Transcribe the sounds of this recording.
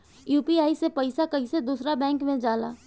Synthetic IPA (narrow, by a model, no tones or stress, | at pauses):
juːpiaːisepəɪsakəised̪uːsɾabɛ̃ːŋkmẽd͡ʒaːla̰ː